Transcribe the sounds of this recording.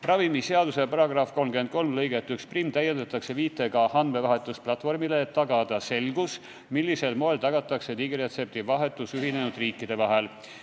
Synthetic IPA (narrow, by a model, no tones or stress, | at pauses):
rɑvimiseɑd̪use̞pɑɾɑɡ̥rɑfko̞lmɡye̞nt̪̚ko̞lmlɤjɡe̞t̪ːˑyksprimːt̪æjend̪et̪ːˑɑkse̞viːt̪ːˑeɡɑhɑnd̪me̞vɑɦe̞t̪ːˑusplɑt̪ːˑfo̞rmile̞ːt̪ːɑɡɑd̪̥ɑse̞lɡus | milːise̞lmo̞elt̪ɑɡɑt̪ːˑɑkse̞t̪iɡiɾe̞t̪se̞p̚t̪ivɑɦe̞t̪ːˑusyɦine̞nud̪riːkːˑid̪̥e̞vɑɦe̞l